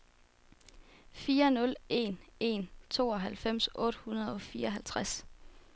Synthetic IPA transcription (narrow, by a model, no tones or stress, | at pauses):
fiːɐnɔ̽le̝̰ne̝̰nt͡sʰo̝ːɒ̽ɦælfem̰sʔɔ̽ːɾ̥hunɐð̞ˠɒ̽fiːɐɦælt͡sʰʁas